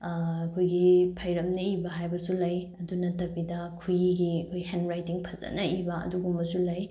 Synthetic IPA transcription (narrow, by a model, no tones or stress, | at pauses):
ɐkʰojɡipʰɐjɾɐmnɐibɐɦajbɐsulɐjɐdunɐtɐbidɐkʰujiɡiɐkʰojhenɾajtiŋpʰɐzɐ̰nɐibɐɐ̰duɡumbɐsulɐj